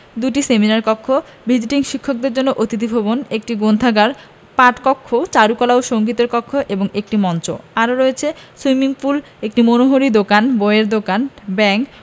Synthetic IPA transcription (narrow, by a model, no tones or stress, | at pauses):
d̪uʈiseminaɾkɔkʰːo | bʱid͡ʑiʈiŋʃikʰːok̚d̪eɾd͡ʑonːoʔot̪it̪̬ibʱobonek̚ʈiɡond̪ʱaɡaɾ | paʈkɔkʰːot͡ɕaɾukɔlaoʃoŋɡit̪oɾkɔkʰːoʔeboŋek̚ʈimɔnt͡ɕoaɾoɾoet͡ɕʰeswimiŋful | ek̚ʈimonoɦoɾid̪okanboeɾd̪okanbɛŋk